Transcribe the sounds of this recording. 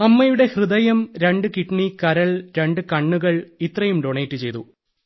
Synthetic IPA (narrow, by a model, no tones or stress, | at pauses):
ɐmːɐjuɽe̞hrɨðɐjɐmɾe̞ɳɖɨkiʈɳikɐɾɐɭɾe̞ɳɖɨkɐɳːuɣɐɭit̪rɐjumɖoːɳejtːɨt͡ɕe̞jt̪ṵ